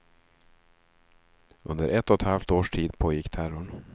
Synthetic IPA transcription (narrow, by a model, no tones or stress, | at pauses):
ɵnd̪ə̰ɾʔɛt̪ːɔt̪halft̪oːʂʈʰiːd̪pʰoːjɪkːt̪ʰæɾʊɳ